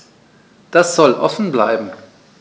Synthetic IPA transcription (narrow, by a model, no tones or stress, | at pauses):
d̥asz̥ɔlʔɔ̰fn̩bla̰ɪbm̩